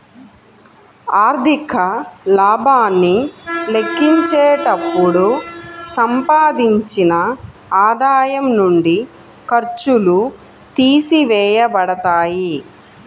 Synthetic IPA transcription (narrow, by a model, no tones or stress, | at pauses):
aːɾd̪ʱikʰɐlaːbʱaːnːile̞kʰːiɲt͡ʃeːʈɐpːuɽusɐmpaːd̪iɲt͡ʃinɐ | aːd̪aːjɐmnuɳɖi | kɐɾt͡ʃulu | t̪iːsiʋɛːjɐbɐɽɐt̪aːji